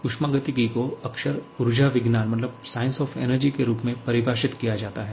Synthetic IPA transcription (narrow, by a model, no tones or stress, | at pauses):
ʊʃmaːɡət̪iɡikoɐkʃəɾʊɾʊd͡ʒaʋɪɡnaːnmɐt̪ləbsaːɪ̃nsɔːfʰḛːnəɾd͡ʒikeɾuːpmẽpɐɾɪbaːʃɪt̪kijad͡ʒaːt̪aɦɛː